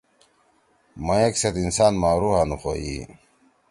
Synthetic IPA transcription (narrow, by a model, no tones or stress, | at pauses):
mɐjekset̪insaːnmaːɾuhanuxo̰jḭ